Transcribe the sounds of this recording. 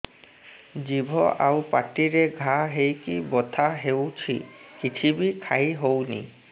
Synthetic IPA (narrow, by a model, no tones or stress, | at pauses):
d͡ʒibʱɔʔawpaʈiɾeɡʱaɦejkibɔt̪ʰaɦewt͡ʃʰikit͡ʃʰibikʰajɦownḭ